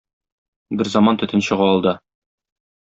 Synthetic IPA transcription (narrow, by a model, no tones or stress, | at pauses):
bɘɾzɑmɑnt̪ɵ̆t̪ɘnɕɤ̆ʁɑɒlˠd̪ɤ